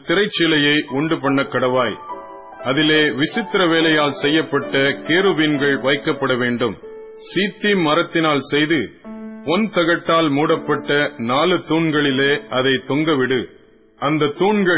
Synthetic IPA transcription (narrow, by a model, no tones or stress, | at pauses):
t̪ːɪɾɐɪt͡ʃːɪlɐjɐɪʔʊɳɖɯpɐɳːɐkːɐɽɐʋaːj | ʔɐðɪleːʋɪsɪt̪ːɪɾɐʋeːlɐjaːlsɛjːɐpːɐʈːɐkeːɾɯʋinɡɐɭʋɐɪkːɐpːɐɽɐʋeːɳɖɯm | siːt̪ːimmɐɾɐt̪ːɪnaːlsɛjðɯɔnt̪ɐɣɐʈːaːlmuːɽɐpːɐʈːɐnaːlɯt̪ːuːɳɡɐɭɪleːʔɐðɐɪt̪ɔŋɡɐʋɪɽɯ | ʔɐnd̪ɐt̪ːuːɳɡɐ